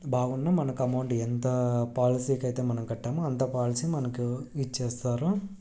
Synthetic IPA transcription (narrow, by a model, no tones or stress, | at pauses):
bʱaːɣunːɐmɐnɐkːɐmɐwɳɖɛnt̪ɐpaːlɪsikːɐjt̪eːmɐnɐmkɐʈːaːmɐɐnt̪ɐpaːlɪsimɐnɐkːɯit͡ʃːeːst̪aːɾũ